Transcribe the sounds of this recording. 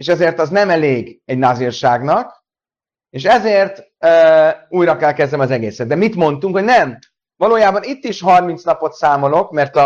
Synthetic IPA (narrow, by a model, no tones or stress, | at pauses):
eːʃɛzeːrt̪ɒznɛmɛleːɡɛɟnazirʃaːɡnɒk | eːʃɛzeːrt̪ | øuːjɾɒkɛlkɛzd̪ɛmɒzɛɡeːsɛd̪̚d̪ɛmit̪mo̞nt̪uŋkho̞ɟnɛm | vɒloːjaːbɒnit̪ːiʃɦɒrmint̪snɒpo̞t̪saːmo̞lo̞kmɛrt̪ɒ